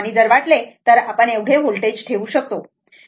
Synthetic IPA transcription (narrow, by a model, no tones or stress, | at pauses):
aniːd͡zəɾʋaʈlet̪əɾapəɳewɽʱeɦolʈed͡ʑʈʰeʋuːɕək̚t̪o